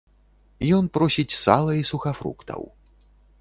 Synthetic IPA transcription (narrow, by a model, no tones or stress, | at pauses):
jɔnpɾɔsʲit͡sʲsa̰lˠɐisuxɐfɾṵkt̪ʰɐ̰w